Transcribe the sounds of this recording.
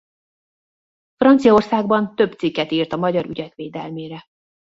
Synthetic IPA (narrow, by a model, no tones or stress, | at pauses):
frɒnt̪sijɒorsaːɡbɒnt̪ø̞bt̪sikːɛt̪iːrt̪ɒmɒɟɒɾy̰ɟɛkʋeːd̪ɛlmeːɾɛ